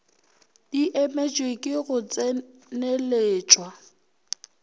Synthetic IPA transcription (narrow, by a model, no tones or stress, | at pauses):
diʔɛmet͡ʃʼwekʼɪɣʊt͡sʼɛ | neleːt͡ʃʼwa